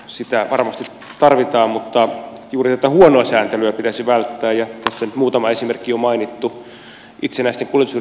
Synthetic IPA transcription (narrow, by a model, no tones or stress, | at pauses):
sit̪æʋɑrmɑst̪i | t̪ɑrʋit̪ɑːmmut̪ːɑjuːrit̪æt̪æhuonoɑsæːnt̪elyæpit̪æsiʋælt̪ːæːjjɑt̪æsːænyt̪muːt̪ɑmɑesimerkːiomɑinit̪ːu | it̪senæist̪eŋkulĕt̪usyr